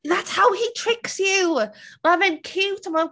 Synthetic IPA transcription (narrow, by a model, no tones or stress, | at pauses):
ðatshaʊitʰɹ̥ɪksjʉmaɪvɛ̃nkʰʉtəmaɪ